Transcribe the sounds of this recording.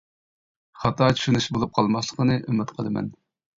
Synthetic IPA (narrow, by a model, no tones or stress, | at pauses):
χɑt̪ɑːt͡ʃʰy̥ʃynyʃbolˠup̚qʰɑlˠmɑslˠəqənɨʔymɪt̪qʰəlˠɨmɛ̰n